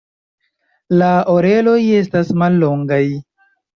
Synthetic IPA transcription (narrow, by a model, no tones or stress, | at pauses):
laʔoɾe̞lo̞je̞s̬tasmalːo̞ŋɡaj